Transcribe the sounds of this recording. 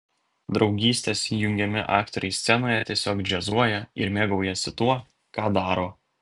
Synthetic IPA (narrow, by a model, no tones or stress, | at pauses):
d̪ɾɒʊɡʲiːsʲt̪ʲeːsiːjʊŋʲɡʲɛmʲɪʔɑ̰ːkt̪ɔɾʲɛɪsʲsʲɛnoːjɛt̪ʲiɛsʲoːkd͡ʒʲɛzuɔjɛɪ̰ɾmʲeːɡɒʊjɛsʲɪt̪uɔ | kɑːd̪ɑːɾoː